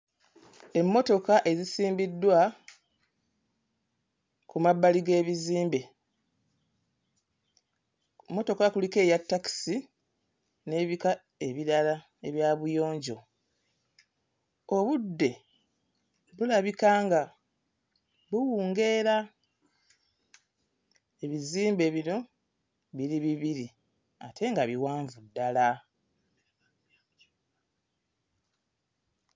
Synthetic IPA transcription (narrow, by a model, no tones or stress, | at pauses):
e̞mːo̞to̞kaʔe̞zisiːmbidːwa | kumabːaliɡe̞ːβiziːmbe | mːo̞to̞kakulike̞ːjatːaki̥si | ne̞ːβika | e̞βiɾala | e̞βjaːβujo̞ːɲɟo̞̰ | oβudːe̞ | βulaβikaːŋɡa | βuwuːŋɡe̞ɾa | eβiziːmbe̞βino̞ | βiɾiβiβiɾi | atʰe̞ŋɡaβiwaːɱvudːala